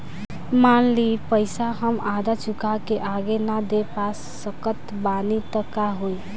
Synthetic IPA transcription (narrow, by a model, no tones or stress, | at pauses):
manlipəɪsaɦəmad̪at͡ʃukakeʔaɡenad̪epasːəkət̪ | banit̪əkaɦoi